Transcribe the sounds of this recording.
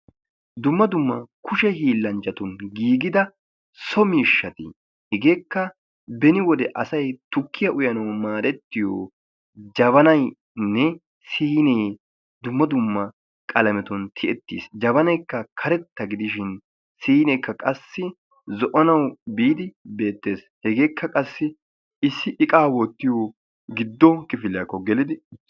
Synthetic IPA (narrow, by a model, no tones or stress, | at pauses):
d̪ʊmːɐd̪ʊmːɐkʰʊʃɛhiːlːɐnt͡ʃɐt̪ʊnɡiːɡɪd̪ɐ | sɔmiːʃːɐt̪ɪ̰ | hɪɡeːkːɐ | bɛnɪwɔd̪ɛʔɐsɐjt̪ʊkʰːɪjɐʔʊjɐnɐwmaːɾɛt̪ːɪjo̰ | d͡ʒɐβɐnɐj | nːɛ | siːneː | d̪ʊmːɐd̪ʊmːɐ | kʼɐlɐmɛt̪ɔnt̪ʰɪʔɛt̪ːḭːsd͡ʒɐβɐnɐjkːɐkʰɐɾɛt̪ːɐɡɪd̪ɪʃɪn | siːnɛjkːɐkʼɐsːɪ | zɔʔɔnɐwbiːd̪ɪbe̞ːt̪ːe̞ːs | hɛɡeːkːɐkʼɐsːɪ | ɪsːɪʔɪkʼaːwɔt̪ːɪjoː | ɡɪd̪ːɔkɪfɪlɪjɐkːɔɡɛlɪd̪ɪ